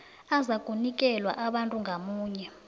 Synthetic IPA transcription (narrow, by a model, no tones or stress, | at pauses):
azakʼunik̬ʼɛlwa̰ʔaɓantʼuŋɡʱamuːɲɛ